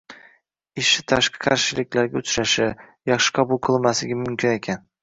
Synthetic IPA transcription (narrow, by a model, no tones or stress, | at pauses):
ɪʃɪt̪ʰaʃqʰɨ̥qʰɑɾʃɪlɪkʲlaɾɡʲaʊt͡ʃʰɾaʃɪjɑχʃɪ̥qʰɒbʊlˠqʰɨlˠmasɪɡʲamʊmkʲʰɪne̞kʲʰan